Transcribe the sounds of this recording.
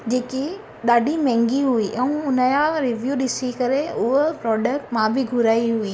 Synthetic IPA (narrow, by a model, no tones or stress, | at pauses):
d͡ʑeːki | ɗaːɖʱimɛ̃ːŋɡiɦuiʔɛ̃ũʊnəjaɾɪʋjuːɗɪsikɐɾeʊɦopɾɔːɖək̚ʈmãbɪɡʱʊɾaːiɦuiː